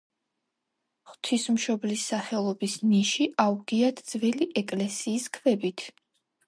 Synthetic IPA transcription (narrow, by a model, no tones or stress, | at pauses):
χt̪ʰismʃɔblisːaχɛlˠɔbisniʃiʔauɡiat̪ʰd̪z̥vɛliʔɛkʼlɛsiːskʰvɛbit̪ʰ